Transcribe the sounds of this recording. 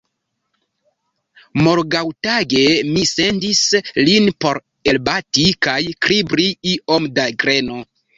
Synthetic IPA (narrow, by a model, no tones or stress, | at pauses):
mo̞ɾɡawtaɡe̞mise̞ndislinpo̞ɾ | e̞lbatikajkɾibɾiio̞mdaɡɾe̞no̞